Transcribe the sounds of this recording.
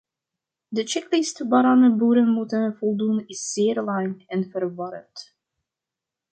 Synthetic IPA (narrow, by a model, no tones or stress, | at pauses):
dət͡ʃɛklistəbaɾɑnəbuːɾənmutənvɔlˠdunɪsz̥ɪːrlɑjŋɛnvərʋɑɾə̰nt